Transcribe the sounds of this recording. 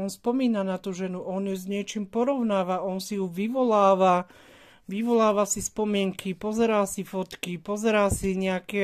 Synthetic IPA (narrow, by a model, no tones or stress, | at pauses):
ɔnspɔmiːnanat̪uʒɛnuʔɔnjuzɲɪɛt͡ʃiːmpɔɾɔʊnaːʋaɔnsijuʋiʋɔlaːʋa | ʋiʋɔlaːʋasispɔmɪɛŋkʰipɔzɛɾaːsifɔt̪kipɔzɛɾaːsiɲɛakɛ